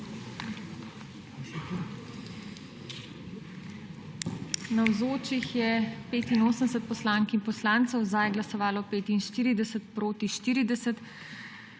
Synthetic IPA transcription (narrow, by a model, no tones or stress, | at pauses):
nawzoːt͡ʃixjɛpeːt̪inoːsənd̪ɛsət̪̚pɔslaːŋkimpɔslaːnt̪sɔwzajɡlasɔʋaːlɔpeːt̪inʃt̪iːɾid̪ɛsət̪̚pɾoːt̪iʃt̪iːɾid̪ɛsət̪